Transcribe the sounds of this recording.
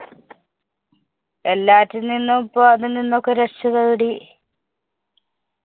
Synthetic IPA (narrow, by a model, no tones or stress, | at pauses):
elːaːtːuninːupːoɐðɨninːokːeɾɐt͡ɕːɐðɐɽi